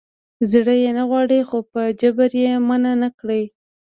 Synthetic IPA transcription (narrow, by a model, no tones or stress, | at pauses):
zɽəjenaɣwɑɽəjxopəd͡ʒabaɾjemananakɽəj